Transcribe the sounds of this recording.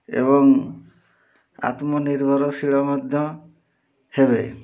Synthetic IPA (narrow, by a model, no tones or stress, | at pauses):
ḛβɔŋ | a̰t̪mɔniɾbʱɔɾɔsiɭɔmɔd̪ʱjɔ | hebe